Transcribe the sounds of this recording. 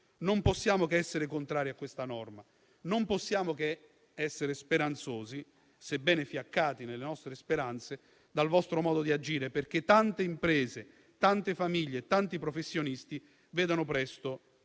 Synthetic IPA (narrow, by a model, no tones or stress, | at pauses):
nomposːjaːmokeɛsːeɾekont̪ɾaːɾiakːwest̪anɔrma | nomposːjaːmoke | ɛsːeɾespeɾant̪soːzi | sebɛːnefjakːaːt̪inelːenɔst̪ɾespeɾant̪se | d̪alvɔst̪ɾomɔːd̪od̪iad͡ʒiːɾeperk̟et̪ːant̪eimpɾɛːze | t̪ant̪efamiʎːeːt̪ːant̪ipɾofesːjonist̪i | vɛːd̪onʊpɾɛst̪o